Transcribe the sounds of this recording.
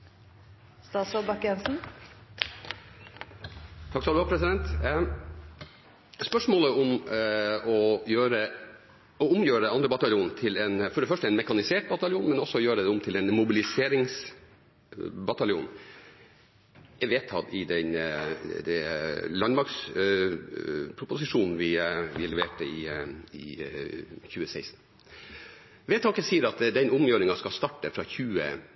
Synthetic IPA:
st̪ɑːsɔlbɑkjɛnsn̩ | t̪ʰɑksɔɑlɑːpʰɾɛsɪd̪ɛnt̪ | spœʂmoːləʊm | ɔjøːɾə | ɔʊmjøːɾəɑnd̪ɾəbɑt̪ɑljuːnt̪ʰɪlɛnfɔɖɛfœʂʈəɛnmɛkɑnɪseːʈ̚bɑt̪ɑljuːnmɛnɔsːɔjøːɾəd̪ɛʊmt̪ʰɪlɛnmʊbɪlɪseːɾɪŋs | bɑt̪ɑljṵːn | ɛʋeːt̪ʰɑlɪd̪ɛnd̪ɛlɑnmɑks | pʰɾʊpʊsɪʂuːnn̩ʋɪʋɪlɛʋeːʈəɪ̰ɪ̰ | çʉːəsæɪsn̩ | ʋeːt̪ʰːɑkəsiːɾɑt̪d̪ɛnʊmjøːɾɪŋɑskɑst̪ɑʈːəfɾɑçʉːə̰

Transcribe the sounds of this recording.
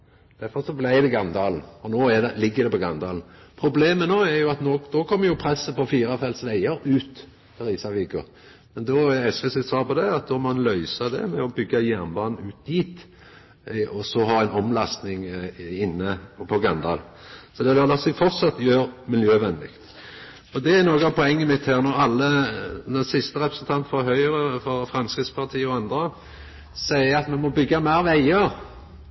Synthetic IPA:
d̪̥æɾfɔʁsɔblæɪd̪ɛɡɑnd̪ɑːln̩ɔnoːæd̪ɛlɪɡːəɾd̪ɛpɔɡɑnd̪ɑːlnpʰɾʊbleːmənoːɛʁjʊɑt̪noːd̪̥oːkʰɔmːəjʊpʰɾɛsːəpɔfiːɾɑfɛlsʋæɪəɾʉːt̪ | pʰɛʁiːsɑʋɪːɡʊ̰ʁ | mɛnd̪oːɛɛsʋesɛsɑːpɔd̪ɛɑt̪̚d̪ɔmɑnlœʏsɑd̪ɛ̰mɛɔbʏɡːɑjæʁnbɑːnn̩ʉːt̪̚d̪iːt̪ | ɔsɔɦɑːɛɪnɔmlɑst̪nɪŋɪnːəpʰɔɡɑnd̪ɑ̰ːlsɔd̪ɛd̪ɑlɑsifɔʁt̪sɑt̪ːjøːɾmɪljøːʋɛnd̪ɪkt̪ | ɔd̪ɛænoːɡɑpʰɔɛŋːɪmɪt̪hæːʁnɔɾɑlːənɔsɪst̪əʁɛpɾəsɛnt̪ʰɑnt̪fɔɦœʏʁəfɔɾfɾɑmskɪt̪spʰɑʁt̪ʰiːəɔɑnd̪ɾə | sæɪəɾɑt̪mɛnmɔbʏɡːɑmæɪʁʋæɪəɾ

